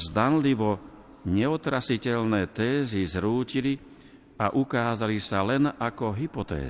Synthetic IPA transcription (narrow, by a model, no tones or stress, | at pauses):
zd̪anliʋɔ | ɲɛɔt̪ɾasicɛlnɛːt̪ɛːzizɾuːcili | aʔukaːzalisalɛnakɔɦipɔt̪ɛ̰ː